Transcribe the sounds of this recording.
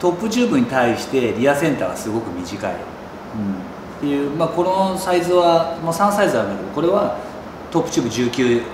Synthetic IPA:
t̪o̞pːɯ̟t͡ɕɨːbɯ̟ɲ̟it̪aiɕi̥t̪e̞ɾʲiasẽ̞nt̪aːɡa̰sɨɡo̞kɯ̟mʲiʑika̰ḭ | ɯ̃ | t̪ːe̞jɯ̟ːmako̞nosaizɨβamosãɰ̃saizɨaɾɯ̃nd̪akeo̞ko̞ɾe̞βa | t̪o̞pːɯ̟t͡ɕɨːbɯ̟ʑɨːkʲɨː

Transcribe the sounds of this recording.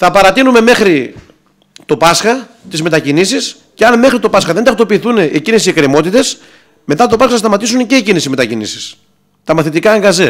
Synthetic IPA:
θɐpɐɾɐt̪inume̞me̞xɾi | t̪o̞pɐsxɐ | t̪izme̞t̪ɐcinisis | ceɐnme̞xɾit̪o̞pɐsxɐðend̪ɐxt̪o̞piːθuneʔecinesiekɾimo̞t̪it̪e̞s | me̞t̪ɐt̪o̞pɐsxɐθɐst̪ɐmɐt̪isunce̞ːcinisime̞t̪ɐcinḭsi̥s | t̪ɐmɐθit̪ikɐːŋɡɐze

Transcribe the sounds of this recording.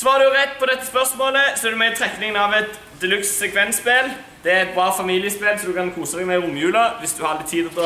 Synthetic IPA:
sɔʋɑːɾd̪ʉjʊʁɛt̪ːpʰɔd̪ɛt̪ːəspœʁsmoːləsɔɛɾd̪ʉmɛt̪ʰɾɛknɪŋənɑʋɛt̪ | d̪ɛlʉkssɛkʰʋɛnspel | d̪̥ɛæɛt̪̚bɾɑːfɑmiːlɪəspeːlsɔd̪ʉkɑnkʰuːsəd̪ɛɡmæɪʊmjʉːlɑʋɪsd̪ʉhɑɾlɪt̪ʰiːd̪ɔt̪ɔ

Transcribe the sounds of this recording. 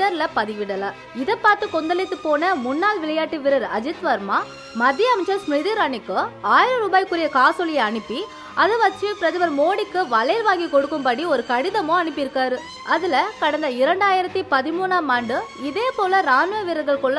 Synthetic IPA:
ɐɾlɐpɐðɪʋɪɽɐlɐ | ɪðɐpːaːɾt̪ɯkɔnd̪ɐlɪt̪ːɯpːoːnɐmʊnːaːlʋɪɭɐjaːʈːiʋɪɾɐɾɐd͡ʒɪt̪ʋɐɾmaː | mɐd̪ːjɐɐmɪt͡ʃːɐɾsmɾɪðiɾaːɳɪkːɯaːjɪɾɐɾuːbaːjkːɯɾɪjɐkaːsɔlɪjɐɐɳɯpːi | ɐðɯʋɐt͡ʃːɯpɪɾɐðɯʋɐɾmoːɽɪkːɯʋɐlɐjɾʋaːŋɡikɔɽɯkːɯmpɐɽiɔɾɯkɐɽɪðɐmõɐɳɯpːɪɾɯkːaːɾɯ | ʔɐðɪlɐkɐɽɐnd̪ɐɪɾɐɳɖaːjɪɾɐt̪ːipɐðɪmuːnaːmaːɳɖɯɪðeːpoːlɐɾaːnɯʋɐʋɪɾɐɡɐɭkɔɭː

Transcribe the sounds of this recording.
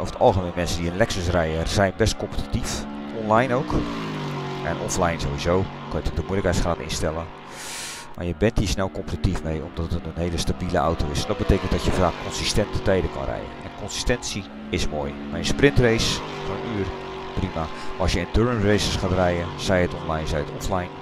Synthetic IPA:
ofə̥tɑ̰lˠxəmenmɛnsəndiənlɛksəs̬rɛjəz̥ɛjnbɛst̚kɔmpə̥ti̥tif | ɔnlajnowk | ʔɛ̰nʔɔ̰flajnzowʋizoː | kʰɔjətokdəmuələkhɛjtsχraːtɪ̰nstɛlə | ma̰ːjəbɛntisnɛlˠkɔmpətitifmejɔmdɔtətənənɦeːləstabiləa̰wtowɪsndɔt̚bəteːkənt̚dɔtjəfraːkkʰɔnsistɛntʰə̥tɛjdəkɔ̰nrɛ̰jə̰nɛ̰nkɔnsi̥stɛnsi | ɪsmoːj | majənsprɪntrejs | fɔnyːər | primaɔsjəɪntøɹənrejsəsχaːtrɛjəsɛjətɔnlajnzɛjətɔ̰flajn

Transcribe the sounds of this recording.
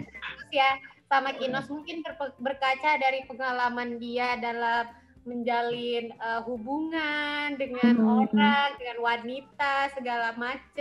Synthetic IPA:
ɾusjasamakinɔsmuŋkɪnbəbərkat͡ʃadaɾipəŋalamandiadalamː | əɲd͡ʒalɪnəɦubuŋandəŋanoɾaŋdəŋanwanit̪asəɡalamat͡ʃə

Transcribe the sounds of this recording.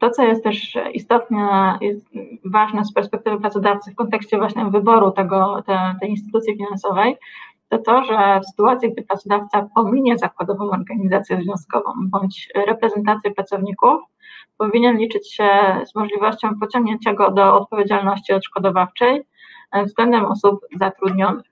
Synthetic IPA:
t̪ɔt̪sɔjɛst̪t̪ːɛʂḭst̪ɔt̪nɛjɛt̪vaʐnɛspɛɾspɛkt̪ɘvɘpɾat̪sɔd̪aft̪sɘfkɔnt̪ɛkɕt͡ɕɛvwaɕɲɛvɘbɔɾut̪ɛɡɔt̪ɛt̪ɛjinst̪ɘ̥t̪ut̪sʲjifʲinansɔvɛj | t̪ɔt̪ɔʐɛfsɘ̥t̪uat̪sʲjiɡ̚d̪ɘpɾat̪sɔd̪aft̪sapɔmʲiɲɛzakwad̪ɔvɔ̃mɔɾɡaɲizat̪sʲjɛzvʲjɔ̃skɔvɔ̰̃mbɔɲt͡ɕɾɛpɾɛzɛnt̪̬at̪sʲjɛpɾat̪sɔvɲikuf | pɔvʲiɲɛnlʲit͡ʂɘt͡ɕɕɛzmɔʐlʲivɔɕt͡ɕɔ̃w̃pɔt͡ɕɔ̃ŋɡɲɛɲt͡ɕaɡɔd̪ɔɔt̪̚pɔvʲjed͡ʑalnɔɕt͡ɕiɔt̪ʂkɔd̪ɔvaft͡ʂɛj | vzɡlɛnd̪ɛmɔsupzat̪ɾud̪ɲɔnɘx

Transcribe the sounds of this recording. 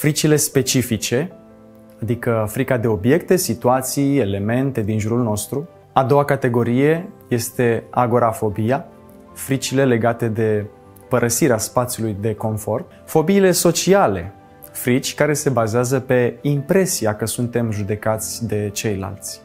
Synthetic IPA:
fɾit͡ʃile̞spe̞t͡ʃifit͡ʃe̞ | ad̪ikəfɾikad̪e̞o̞bje̞kt̪e̞sit̪uat̪sije̞le̞me̞nt̪e̞d̪inʒuɾulno̞st̪ɾu | ad̪o̞wakat̪e̞ɡo̞ɾije̞je̞st̪e̞a̰ɡo̞ɾafo̞bija | fɾit͡ʃile̞le̞ɡat̪e̞d̪e̞ | pəɾʔəsiɾeaspat̪sʲjulujd̪e̞ko̞nfo̞rt̪ | fo̞biːle̞so̞t͡ʃiale̞ | fɾit͡ʃʲkaɾe̞se̞bazeazəpe̞impɾe̞siakəsunt̪e̞mʒud̪e̞kat̪sʲd̪e̞t͡ʃe̞jla̰lt̪sʲ

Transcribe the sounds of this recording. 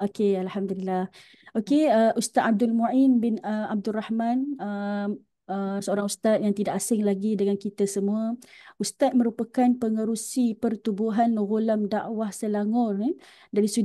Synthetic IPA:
okealhamd̪ulilːah | okeəʔust̪at̪̚ab̚dʊlmoinbɪnəab̚dʊrahmanə | əsəoɾaŋust̪at̪̚jaŋt̪idaʔasɪŋlaɡidəŋankit̪asəmũəust̪at̪̚mə̃ɾupakanpəŋəɾusipərt̪ubuɦanɣulamdaʔwahsəlaŋɔri | daɾisu

